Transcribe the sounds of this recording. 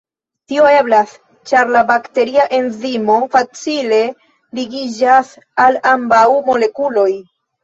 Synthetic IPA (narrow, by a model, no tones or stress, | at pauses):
tio̞e̞blas | t͡ʃaɾlabakte̞ɾiaʔe̞nzimo̞fat͡sile̞ | liɡid͡ʒas | alambawmo̞le̞kulo̞j